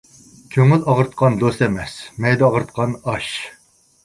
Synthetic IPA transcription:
kʲʰøŋylɑʁəɾt̪̚qʰɑnd̪ost̪ɛmɛsmɛjd̪ɛɑʁəɾt̪̚qʰɑnɑʃ

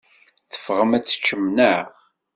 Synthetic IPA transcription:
θə̥fʁəmæt͡sːə̥t͡ʃːəmnəʁ

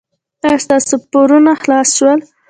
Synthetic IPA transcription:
ast̪ɑsopʊɾunaxlɑsʃwəl

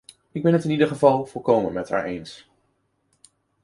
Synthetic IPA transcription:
ɪɡ̚bɛnɦətɪnidəɹχəvɑlˠv̥ɔlˠkowmənmɛtha̰ːɹʔejns

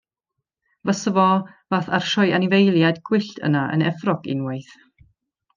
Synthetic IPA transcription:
vəsəvɔvaːθarʃɔjanɪvejlˠjadɡwɪɬtʰə̰naə̰nɛfrɔɡ̥ḭnwejθ

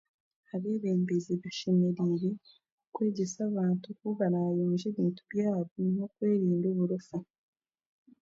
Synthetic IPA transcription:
aβeːβeːmbizeβaʃemeɾiɾe̞ | kweːɟesaβaːntukuβaɾajoːnʒeβiːntubjaːβonokweːɾiːndoβuɾufa

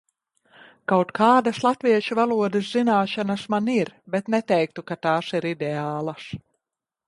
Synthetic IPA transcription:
kawt̪kʰaːd̪aslˠat̪viɛʃuvalˠuɔd̪ɨszinaːʃanasmaniɾbɛt̪nɛt̪ɛjk̚t̪ukat̪aːsiɾid̪ɛaːlˠas

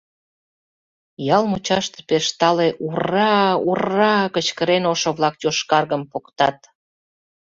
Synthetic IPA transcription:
jɑlmut͡ɕɑʃt̪epeʃt̪ɑleʔurɑurɑkət͡ɕkəɾenoʃoβlɑk̚joʃkɑrɣəmpokt̪ɑt̪̚

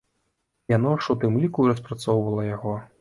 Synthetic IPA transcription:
janauʂɔt̪ɨmlʲikuɾɐspɾat̪sɔwvɐlˠɐjaɣɔ

